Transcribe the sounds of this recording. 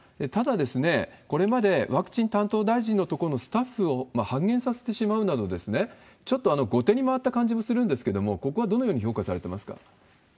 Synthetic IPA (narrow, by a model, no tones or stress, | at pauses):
et̪ad̪ad̪e̞sɨne̞ko̞ɾe̞mad̪e̞βakɯ̟̥t͡ɕĩnt̪ãnt̪o̞ːd̪aiʑĩnːo̞t̪o̞koɾonosɨ̥t̪aɸːɯ̟o̞mahãŋɡẽ̞sase̞̥t̪e̞ɕimaɯ̟nad̪o̞d̪e̞sɨne̞ | t͡ɕo̞t̪ːo̞ano̞ɡo̞t̪e̞ɲ̟imaβat̪ːakãɲ̟d͡ʑimo̞sɨɾɯ̟̃nd̪esɨ̥ke̞d̪o̞mo̞ko̞ko̞βad̪o̞nojo̞ːɲiço̞ːkasaɾe̞t̪e̞masɨ̥ka̰